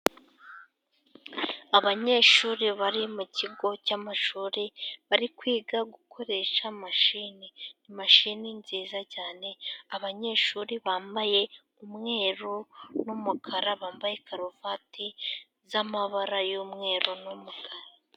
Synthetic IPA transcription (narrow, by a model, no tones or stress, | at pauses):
aβaɲe̞ːʃuːɾiβaɾimuciɡo̞camaʃuːɾiβaɾikwiːɡaɡukʰo̞ɾe̞ʃamaʃininimaʃininziːzacaːne̞aβaɲe̞ːʃuːɾiβaːmbaje̞ | umŋe̞ːɾonumukʰaɾaβaːmbajekʰaɾovatʰi | zamaβaɾajomŋe̞ːɾonumukʰaɾa